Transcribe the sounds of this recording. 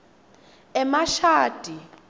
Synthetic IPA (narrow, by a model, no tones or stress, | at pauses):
ɛmaʃaːd̥ʱi